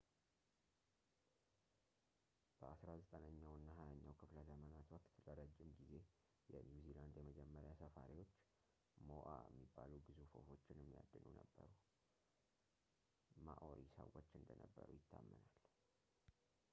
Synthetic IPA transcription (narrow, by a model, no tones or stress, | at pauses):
b̥əasɾazət̪ʼənəɲːawɨnːaɦajaɲːawkʰɨfləzəmənat̪wɔkt̪ləɾəd͡ʒːɪmɡize̞ | jɛnjuziland̪jɛməd͡ʒɛmːəɾjasəfaɾiwo̞t͡ʃː | moʔa̰ɛ̰mːibːalubɨzufo̞̰fo̞t͡ʃːɪnɛmːija̰d̪ːɨnunəbːəɾu | maʔoɾisə̰wo̞t͡ʃːɨnd̪ənəbːəɾujɪt̪ʰːamːənal